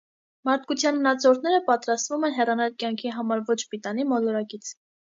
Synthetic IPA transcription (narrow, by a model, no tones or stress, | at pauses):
mɑɾt̪̚ʰkut͡sʰjɑnmənɑt͡sʰɔɾt̪ʰnɛɾəpɑt̪ɾɑst̪vumɛnɦɛrɑnɛlkjɑŋkʰiɦɑmɑɾvɔt͡ʃʰpit̪ɑnimɔlɔɾɑkit͡sʰ